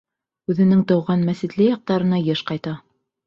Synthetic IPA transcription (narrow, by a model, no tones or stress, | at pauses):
ʉðɘ̆nɘŋt̪ɑwʁɑnmæsit̪lɘjɑq̚t̪ɑɾɤ̆nɑjɤʃqɑjt̪ɑ